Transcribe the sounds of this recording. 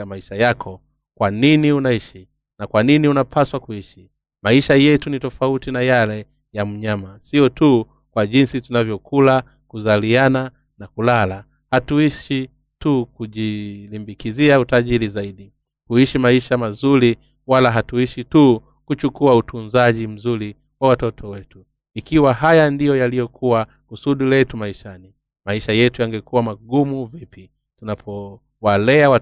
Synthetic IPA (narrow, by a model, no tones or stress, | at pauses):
amaiʃajakʰɔ | kwaniniunaiʃi | nakwaniniunapʰaswakuiʃi | maiʃajɛtunitɔfautinajalɛ | jam̩ɲamasiɔtu | kwaʄinsitunavjɔkʰula | kuzaliana | nakulala | hatuiʃi | tukuʄilimbikiziautaʄiɾizaiɗi | kuiʃimaiʃamazuɾi | walaɦatuiʃitu | kut͡ʃukuautʰunzaʄim̩zuɾi | wawatɔtʰɔwɛtu | ikiwaɦajandijɔjalijɔkʰuwa | kusuɗilɛtumaiʃani | maiʃajɛtujaŋɡɛkuwamaɡumuvipʰi | tunapʰɔ | walɛawa